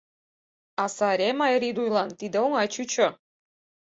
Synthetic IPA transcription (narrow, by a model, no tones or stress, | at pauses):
ɑsɑɾʲemɑjɾʲid̪ujlˠɑnt̪id̪ĕoŋɑt͡ɕut͡ɕo